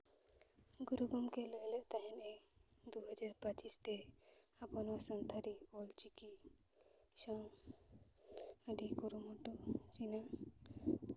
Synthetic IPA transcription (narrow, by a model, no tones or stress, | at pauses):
ɡuɾuɡɔmkelojleʔt̪aɦined̪uɦʌd͡ʒaɾpat͡ʃist̪eapɔnasənt̪aɾiɔlt͡ʃiki | saw | aɖikuɾumɔʈut͡ʃina